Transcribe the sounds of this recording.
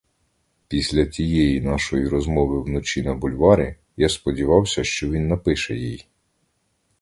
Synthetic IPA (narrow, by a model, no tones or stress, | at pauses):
pʲisʲlʲɐtʲijɛjinɑʃɔjiɾɔzmɔʋɪwnɔt͡ʃinɐbʊlʲʋɑɾʲi | jaspɔdʲiʋɑwsʲɐʃt͡ʃɔʋʲinːɐpɪʃɛjij